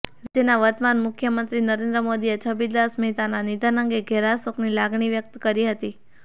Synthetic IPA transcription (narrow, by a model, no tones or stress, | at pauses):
d͡ʒenaʋəɾt̪manmʊkʰjəmənt̪ɾinəɾend̪ɾəmod̪iet͡ʃʰəbid̪lasmet̪ananid̪anəŋɡeɡʱɛɾasoknilaɡɳiʋjək̚t̪kəɾiɦət̪i